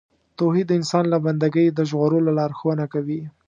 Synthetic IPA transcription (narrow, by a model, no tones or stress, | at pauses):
t̪oɦid̪ːəɪnsɑnlaband̪aɡəjd̪əʒɣoɾolalɑɾxwənakawi